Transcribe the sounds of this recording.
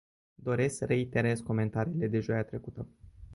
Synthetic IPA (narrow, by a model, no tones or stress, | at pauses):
d̪o̞ɾe̞skre̞int̪e̞ɾe̞sko̞me̞nt̪aɾiːle̞d̪e̞ʒojat̪ɾe̞kut̪ə